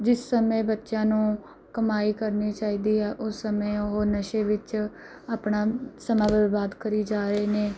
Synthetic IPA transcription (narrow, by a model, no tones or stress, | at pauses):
d͡ʒɪsːəmẽːbətːʃãːnũː | kəmaːiːkəɾniːt͡ʃaːiːd̪iːɦɛːʔʊsːəmeːoɦonəʃeːʋɪt͡ʃ | aːpnaːsəmãːʋɪʋaːd̪kəɾiːd͡ʒaːɾəeːneː